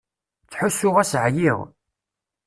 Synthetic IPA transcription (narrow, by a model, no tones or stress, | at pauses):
t͡sːħʊsːʊʁæsʕjiʁ